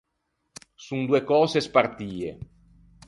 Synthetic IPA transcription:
sund̪uekɔːzespart̪iːḛ

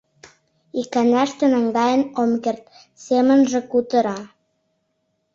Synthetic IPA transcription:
ikænæʃt̪ĕnæŋɡɑjənomkert̪̚ | semə̆nʒĕkut̪ə̆ɾɑ

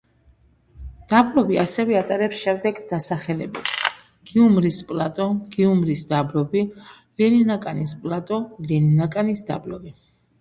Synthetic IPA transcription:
d̪̥abɾɔbiasɛvɛat̪ʼaɾɛpsʃɛmd̪ɛɡd̪̥asaχɛlɛ̰bɛps | ɡ̥iumɾispʼlˠat̪ʼɔɡ̥iumɾisd̪abɾɔbi | lɛninakʼanispʼlat̪ʼɔlɛninakʼanisd̪a̰bɾɔbi

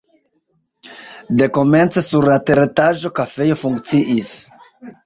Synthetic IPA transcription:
de̞ko̞me̞nt͡se̞suɾlate̞ɾetaʒo̞kafe̞jo̞fuŋkt͡siʔis

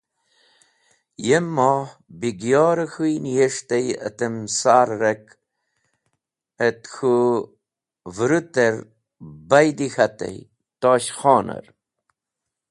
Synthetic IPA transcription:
jemːɔːhbiɡjoːɾəxujnjeʂt̪əjə̰t̪əmsaːɾːək | ət̪xʰu | vɾut̪eɾ | bajd̪ixat̪ḛj | t̪oːɕχɔːnə̰ɾ

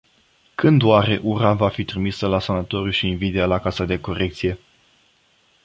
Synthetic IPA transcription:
kɨnd̪waɾe̞ʔuɾavafit̪ɾimisəlasanat̪o̞ɾuʃiːnvid̪ealakasad̪e̞ko̞ɾe̞k̚t̪sije̞

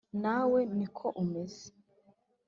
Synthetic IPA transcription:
nawenikʰoʔumeze̥

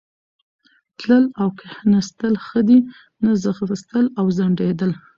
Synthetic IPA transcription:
t̪ləlawkʰahnast̪əlxəd̪i | nazaɣɾst̪əlawzaɳɖed̪əl

